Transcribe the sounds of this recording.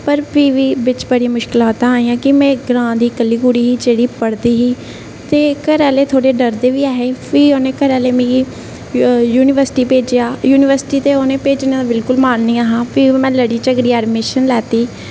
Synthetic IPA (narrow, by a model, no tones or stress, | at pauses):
pəɾpʰiːʋiːʋɪt͡ʃbəɽijãmʊʃkɪlaːt̪aaːiːãːkɪmɛ̃ːɡɾãːd̪iːkəlːiːɡuːɽiːɦiːd͡ʒeːɽiːpəɽd̪iːɦiː | t̪eːkəɾɛːleːt̪ʰoːɽeːɖəɾd̪eːʋiːaːɦeːpʰiːoːnẽːkəɾɛːleːmĩːi | juːnɪʋəɾsɪ̥ʈiːpeːd͡ʒeːaːjuːnɪʋəɾsɪ̥ʈiːt̪eːoːnẽːpeːd͡ʒnẽːãbɪlkʊlmaːnnĩːaːɦãːpʰiːmɛ̃ːləɽiːt͡ʃəɡɾiːɛːɖmeːʃənlɛːt̪iː